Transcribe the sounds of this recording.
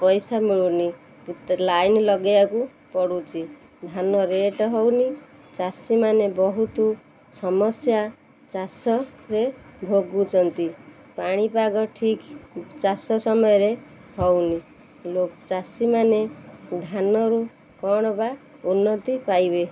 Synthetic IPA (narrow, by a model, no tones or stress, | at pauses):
pʌjsamiɭuni | lajnlʌɡjaku | pɔɽut͡ʃi | d̪ʱanʌɾeʈɦʌwni | t͡sasimanebʌɦut̪u | sʌmʌsja | t͡sasʌɾebʱoɡːut͡ʃʌnt̪i | paɽ̃ipaɡʌʈʰikt͡ʃasʌsʌmʌjɾe | hʌwni | lokt͡sasimaned̪ʱanʌɾu | kɔɽ̃baunːʌt̪ipajbe